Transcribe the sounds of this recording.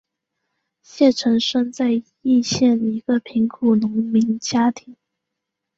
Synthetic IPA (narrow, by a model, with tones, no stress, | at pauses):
ɕjɛ˥˩ʈ͡ʂʰɤ˧˥ŋʂɤ˥˧ŋt͡sa˥˧ɪ | i˥˧ɕjɛ˥˩ni˧˥ɡ̥ə˧pʰi˧˥ŋkʰu˨˩nʊ˧˥ŋmi˧˥nt͡ɕja˥t̪ʰi˧˥˦ŋ